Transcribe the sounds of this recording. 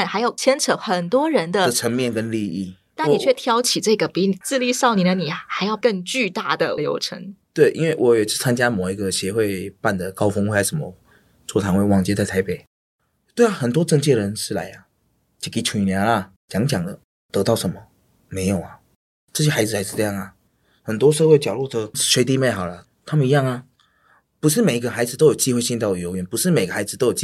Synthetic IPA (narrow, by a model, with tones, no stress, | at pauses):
nxa˧˥ɪjo˨˩ʊt͡ɕʰjɛ˥nʈ͡ʂʰə˧˥xə˨˩nt̪wɔ˥ɻə˧˥nd̪ə˧˨˩ə˧˥ŋmjɛ˥˨nkə˥nli˥˧i˥˩ | na˥˩nni˨˩t͡ɕʰɥɛ˥˩t̪ʰjɑ˥ʊt͡ɕʰi˨˩ʈ͡ʂɤ˥˧ɡə˩pi˧˥ni˨˩t͡sɹ̩˥˧li˥˧sɑ˥˧ʊni˨˩d̪ə˦ni˨˩xa˧˥ɪjɑ˥˧ʊkɤ˥˧ŋt͡ɕy˥˧t̪a˥˩d̪ə˩ljo̰˧˥ʊʈ͡ʂʰə̰˧˥ŋt̪we˥˩ɪʔḭ˥nwe˥˩ɪwʔɔ˧˦˥jɛ˨˩ʂ̩˥˩t͡sʰa˥nt͡ɕja˥mo˨˩ʊi˧˥ɡə˧ɕjɛ˧˥xwe˥˧ɪpa˥˩nd̪ə˩kɑ˥ʊfŋwe˥˩a˧˥ɪʂə˧˥˦mə̰˧ | t͡swɔ˥˩t̪ʰa˧˥nwe˥˧ɪwɑ˥˧ŋt͡ɕjɛ˥˧t͡sa˥˩ɪtʰɪpe˨˩ɪ | t̪we˥˩ɪa˨˩xə˨˩nt̪wɔ˥ʈ͡ʂɤ˥˧ŋt͡ɕɛ˥˩ɻə˧˥nʂɻ̩˥˩la̰˧˥ɪɐ˧ | t͡ɕi˨˩ki˧˥t͡ɕʰu˨˩i˨˩njɑ˧˥ŋɐ˧ | t͡ɕjɑ˧˥ŋt͡ɕjɑ˨˩ŋd̪ə˦ | t̪ɤ˧˥t̪ɑ˥˩ʊʂə˧˥nmə˧ | me˧˥ɪjo˨˩ʊɐ˦ | ʈ͡ʂɤ˥˩ɕ̬ɛ˥xa˧˥ɪd͡zɹ̩˨˩xa˧ɪʂɻ̩˥˧t͡sɤ˥˧jɑ˥˩ŋɐ˩ | xə˨˩nt̪wɔ˥ʂ̬xwe˥˩ɪt͡ɕjɑ˨˩ʊlu˥˩d̪ə˧˥˩ʂwe˧˥t̪̬i˥˧˥me˥ɪxɑ˨˩ʊlə˦ | t̪ʰa˥mə˨ni˧˥jɑ˥˩ŋɐ˩ | pu˧˥ʂ̬ɻ̩˥˩me˨˩ɪi˧˥ɡə˧˩xa˧˥ɪd͡zɹ̩˨˧o˥ʊjo˨˩ʊt͡ɕi˥xwe˥˧ɪɕi˥˧nt̪ʊ˨˩jo˧˥ʊɥɛ˧˥npu˧˥ʂɻ̩˥˩me˨˩ɪɡə˧˩xa˧˥ɪd͡zɹ̩˨t̪o˥jo˨˩i˥